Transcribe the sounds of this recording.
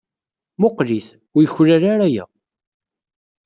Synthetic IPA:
moqliθ | ʊjəçlaɾaɾæjæ̰

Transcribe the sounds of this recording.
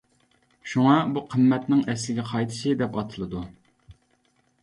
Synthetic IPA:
ʃuŋɑbuqʰəmːɛt̪nɪŋɛslɪɡʲɛqʰɑjt̪ʰɨ̥ʃɨd̪ɛpɑt̪ʰɨlˠɨd̪u

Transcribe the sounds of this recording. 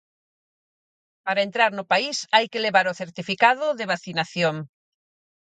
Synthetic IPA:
paɾaent̪ɾaɾnʊpaisajkɪleβaɾoθeɾt̪ifikaðʊðɪβ̞aθinaθjoŋ

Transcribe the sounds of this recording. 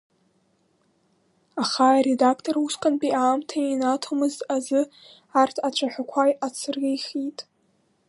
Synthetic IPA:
aχaɾe̞dakʰtʰʼoruskʼanpʼiaːmtʰainatʰomɨzazɨ | artʰat͡ʃʷʰaħʷᶣakʷʰajat͡sʰɨrɡʲejχitʼ

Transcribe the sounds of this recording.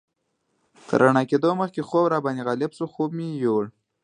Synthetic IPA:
t̪ʰə̰ɾʔaɳɑked̪oməxkexobɾɑbaniɣɑlɪbsuxob̚mijoːɽ

